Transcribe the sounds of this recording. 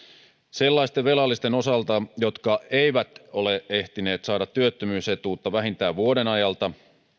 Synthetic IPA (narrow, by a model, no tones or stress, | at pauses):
se̞lːɑist̪eʋe̞lɑlːist̪e̞no̞sɑlt̪ɑjo̞t̪kɑe̞iʋæt̪o̞leʔe̞ht̪ine̞ːt̪sɑːdɑt̪ːyøt̪ːømyːset̪uːt̪ːɑʋæɦint̪æːʋʋuode̞nɑjɑlt̪ɑ